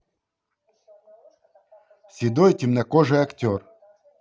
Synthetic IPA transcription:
sʲid̪ɔjtʲimnɐkɔʐɨɐktʲɔr

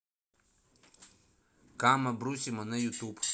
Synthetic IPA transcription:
kamabɾusʲimɔnajut̪up

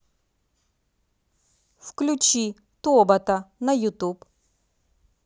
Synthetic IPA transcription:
fklʲʊt͡ɕi | t̪ɔbɐt̪ɐnɐjʊt̪up

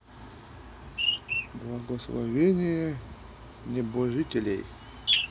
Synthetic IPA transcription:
blˠɐɡəslˠɐ̰vʲenʲɪjə | nʲɪbɐʐɨt̪ʲɪlʲḛj

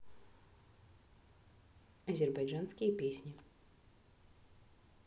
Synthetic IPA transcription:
ɐzʲɪrbajʐanskʲɪjəpʲesʲnʲɪ

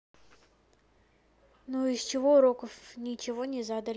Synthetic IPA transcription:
nuɪst͡ɕɪvoʊɾokəfnʲɪt͡ɕɪvo̞nʲɪzad̪əlʲ

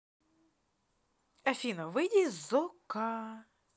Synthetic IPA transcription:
ɐfʲinɔʋɪdʲizɔkɑ

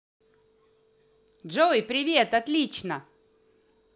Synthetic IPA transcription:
ʐojpɾʲɪvʲe̞t̪ɐt̪lʲit͡ɕnə

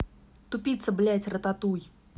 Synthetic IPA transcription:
t̪ʊpʲit̪səblʲætʲrət̪at̪uj

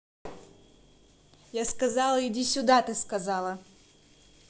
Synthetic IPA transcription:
jaskɐzalˠəɪdʲisʲʊd̪at̪ɨskɐzalˠə

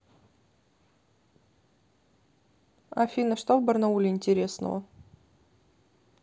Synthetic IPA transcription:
a̰fʲinəʂt̪ovbərnaulʲɪɪnʲtʲɪɾʲesnə̰və̰

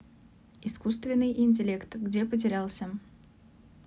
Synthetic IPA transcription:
ɪskust̪vʲɪnːɨjʔɪnʲt̬ʲɪlʲe̞kt̪ɡdʲepət̬ʲɪɾʲalˠsʲə

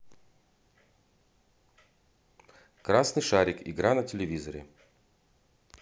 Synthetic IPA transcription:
kɾasnɨjʂaɾʲɪkɪ̰ɡɾanɐtʲɪlʲɪvʲizəɾʲɪ̰

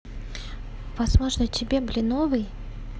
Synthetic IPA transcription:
vɐzmo̞ʐnət̪ʲɪbʲeblʲɪnovɨj

